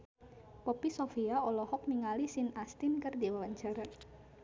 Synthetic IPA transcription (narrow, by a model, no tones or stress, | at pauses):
pɔpisofiaɔlɔhɔk̚niŋalisinast̪inkərdiwawaɲt͡ʃaɾa